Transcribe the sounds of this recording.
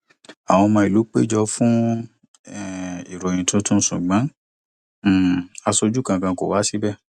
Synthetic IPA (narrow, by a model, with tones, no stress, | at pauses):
a˨w̃ɔ̃˧mãː˧i˨lu˨˦k͡pe˦˨d͡ʒɔ˧fũ˦ | ɛ˦˨i˨ɾɔ˨j̃ĩ˨tʰũ˨˦tũ˦sũ˨ɡ͡bã˨˦˨ | a˧so˧d͡ʒu˦kã˧˨kã˧ko˨wa˨˦si˦bɛ˦